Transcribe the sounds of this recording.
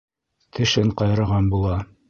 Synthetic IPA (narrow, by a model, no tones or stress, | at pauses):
t̪ʰɘ̆ʃɘɴqɑjɾɤ̆ʁɑnbulˠɑ